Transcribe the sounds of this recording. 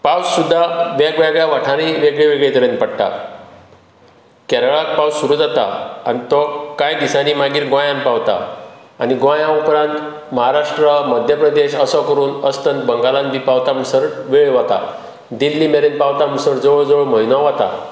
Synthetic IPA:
pawssud̪ʱːaʋɛɡʋɛɡɭjaʋaʈʰaniʋeɡɭeʋeɡɭet̪əɾenpəɽʈ̪a̰ | kɛɾəɭak̚pawsːuɾud͡zat̪a̰anit̪ɔkajd̪isanimaɡiːɾɡʋãjãnpaʋt̪a̰aniɡʋãjãupɾãnt̪ | məɦaɾaʂʈɾəməd̪ʱjəpɾəd̪eɕəsɔkəɾuːnəst̪ənt̪bəŋɡalãnbʱipaʋt̪amusəɾʋeɡɭeʋat̪a̰ | d̪ilːimeɾenpaʋt̪amusəɾd͡zəʋəɭd͡zəʋəɭməɦinɔʋat̪a̰

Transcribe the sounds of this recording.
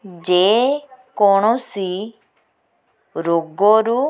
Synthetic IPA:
d͡ʒeːkoːɳ̃osiː | ɾoːɡoɾu

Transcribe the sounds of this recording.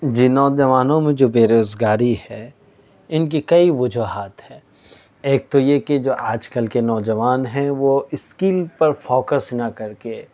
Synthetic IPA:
d͡ʒiːnɔːd͡ʒɐʋaːnõmẽd͡ʒoːbeːɾoːzɡaːɾihɛ | ɪnk̬ikɐiʋʊd͡ʒʱuɦaːt̪hɛː | eːk̚t̪ojeked͡ʒoːʔaːd͡ʒkɐlkenɔːd͡ʒɐʋaːnɦɛ̃ʋoɪskiːlpɐɾfoːkəsnɐkɐɾke

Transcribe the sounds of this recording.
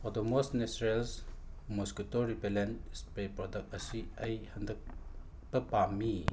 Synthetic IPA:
ɔtomosnesɾelsmusketoɾipelenspɾepɾɔdɐk̚t̚ɐsiɐjhɐndɐk̚ | bɐpami

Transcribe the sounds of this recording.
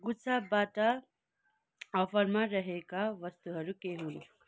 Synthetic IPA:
ɡut͡sʰabaʈʌ | ʌpʰʌɾmaɾʌɦekaʋʌst̪uɦʌɾukeɦunu

